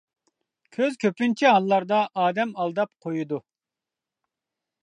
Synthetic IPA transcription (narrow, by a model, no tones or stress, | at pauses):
kʲʰøzkʲʰøpynt͡ʃʰiɦɑlˠːɑɾd̪ɑʔɑːd̪ɛmɑlˠd̪ɑp̚qʰojud̪u